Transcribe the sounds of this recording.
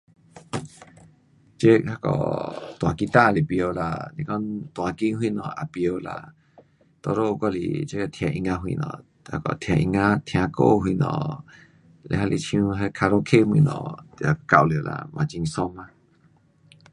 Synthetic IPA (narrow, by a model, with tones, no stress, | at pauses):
t͡ʃe˦ha˧kɔ̰˨t̪w̃ã˨˧ki˧t̪a˦ʔli˨pjo˧la̰˧˨nĩ˧kɔ˦t̪wã˧ki˦ɦwĩ˦˨nɔ̃˨a˨pjo˧la̰˧˨ | t̪o˧ɾo˦ʔkɔ˦lḭ˨t͡ʃe˦ja˧t̪ʰjã˧ʔi˧ŋã˧ɦwḭ˧nɔ̰̃˧˨ | ha˧kɔ̰˧˨t̪ʰjã˧ʔi˧ŋã˦t̪ʰj̃ã˧ko̰˦˨ɦwi˧˨nɔ̰̃˨ | lḛ˧ha˧lʔḭ˧t͡ʃũ˧ɦe˧kʰa˧ɾo˧kʰe˦hĩ˧nɔ̰̃˧˨a˧ka˧wlo˨la̰˧mʔã˧t͡ʃi˧ŋ˧sõ˧mã˧